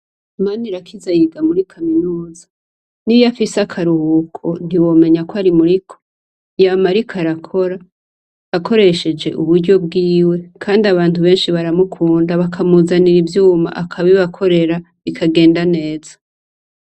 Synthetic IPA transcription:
maniɾakʰizajiɡamuɾikʰaminuːza | nijafisakʰaɾuhuːkʰon̥hiwo̞ːme̞ɲakwaɾimuɾikʰo̥ | jamaɾikʰaɾakʰo̞ɾaː | kʰo̞ɾe̞ʃe̞d͡ʒe̞̰ʔuβuɾɟo̞b̚ɡiːwe̞kʰaːndiaβaːntuβe̞ːnʃiβaɾamukʰuːndaβakʰamuzaniɾivjuːma̰ʔakʰaβiβakʰo̞ɾe̞ɾa | βikʰaɡe̞ːndane̞ːz̥ḁ

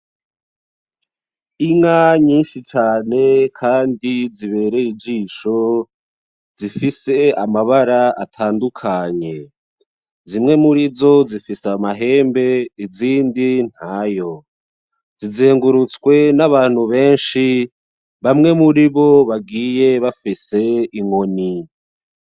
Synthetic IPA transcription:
iŋaɲiːnʃit͡ʃaːne̞kʰaːndiziβe̞ːɾe̞id͡ʒiːʃo̞ | zifise̞a̰maβaɾaa̰tʰaːndukʰaɲe̞ | zimŋe̞muɾizo̞zifisamaɦe̞ːmbe̞iziːndin̥haːjo̞ | zizeːŋɡuɾut͡swe̞naβaːn̥huβe̞ːnʃi | βamŋe̞muɾiβo̞βaɡiːje̞βafise̞iŋo̞ni

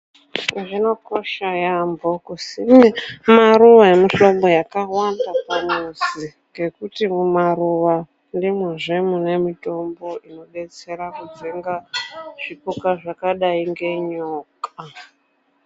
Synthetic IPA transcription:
ʐino̞ko̞ʃajambokusimaɾuʋaemiɬo̞mbo̞jakawandapamuzi | ŋɡe̞kutimumaruʋa | ndimweʐe̞mune̞mito̞mbo̞ʔino̞ɓe̞t͡se̞ɾakud͡ʒeŋɡaʐ̥ipukaʐakaɗaiŋɡe̞ɲoːka

